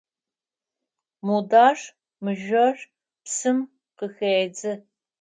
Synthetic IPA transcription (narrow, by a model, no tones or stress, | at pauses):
mudaːʂ | mɨʒɐɕ | psɨm | qəxeːd͡zɨ